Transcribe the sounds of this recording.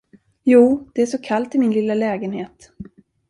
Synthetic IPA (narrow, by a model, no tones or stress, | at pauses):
juːd̪̥ɛæʂɔkʰalt̪ɪmɪnlɪlːalɛːɡənheːt̪